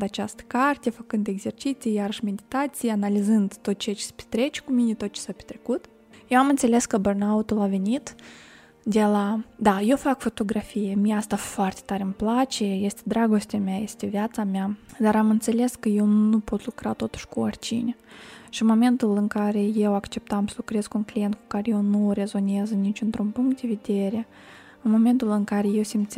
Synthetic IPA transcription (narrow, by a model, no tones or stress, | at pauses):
d̪at͡ʃast̪ə̥kart̪ʲefəkɨnd̪eɡze̞rt͡ʃit̪sijjaɾəʃme̞d̪ʲit̪at̪sijeanalizɨnd̪t̪o̞t̪̚t͡ʃejat͡ʃespe̥t̪ɾe̞t͡ʃe̥kuminʲet̪ot̪̚t͡ʃe̥sapʲe̥t̪ɾekut̪ | jewamɨnt̪sele̞skəbərnaut̪ulave̞nit̪ | d̪e̞lad̪aje̞wfakfo̞t̪o̞ɡɾafijemijast̪afoart̪et̪aɾʲəmplat͡ʃe̞je̞st̪ʲed̪ɾaɡo̞st̪ʲameajest̪ʲevjat̪samʲad̪aɾamɨnt̪se̞le̞skəje̞wnupo̞t̪lukɾat̪o̞t̪u̥ʃkuort͡ʃḭnʲʃiɨnmo̞me̞nt̪ulɨŋkaɾe̞je̞wakt͡ʃe̞p̚t̪amsəlukɾe̞zkunklijent̪̚ku̥kaɾeje̞wnuɾe̞zo̞neznit͡ʃʲɨnt̪ɾunpuŋkt̪̚d̪e̞ve̞d̪e̞ɾe | ɨnmo̞me̞nt̪ulɨŋkaɾe̞je̞wsʲimt̪s